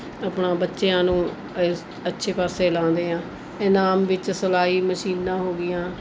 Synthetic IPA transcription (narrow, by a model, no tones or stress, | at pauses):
əpnãːbətːʃeːãːnũː | ətːʃʰeːpaːseːlãːnd̪eːãː | ɛːnaːmʋɪt͡ʃsəlaːiːməʃiːnːãːɦoːɡɪjãː